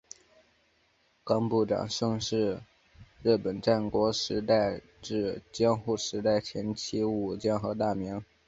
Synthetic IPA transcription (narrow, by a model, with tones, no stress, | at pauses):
kɑ˥ŋpu˥˩ʈ͡ʂɑ̰˨˩ŋʂɤ˥˧ŋʂɻ̩˥˧ | ɻɻ̩˥˩pə˨˩nʈ͡ʂa˥˩nkwɔ˧˥ʂɻ̩˧˥t̪a˥˧ɪ | ʈ͡ʂɻ̩˥˩t͡ɕjɑ˥ŋxu˥˩ʂɻ̩˧˥t̪a˥˩ɪt͡ɕʰjɛ˧˥nt͡ɕʰi˥u˨˩t͡ɕjɛ˥˩nxɤ˧˥t̪a˥˩mi˧˥ŋ